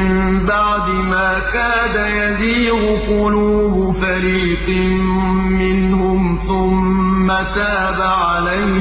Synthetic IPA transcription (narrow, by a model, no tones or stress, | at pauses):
mɪbɑʕd̪ɨmaːkaːd̪ajaziːɾʊqʊluːbʊfaɾiːt̪ɨ | mɪnhʊmθʊmːat̪aːbaʕalaj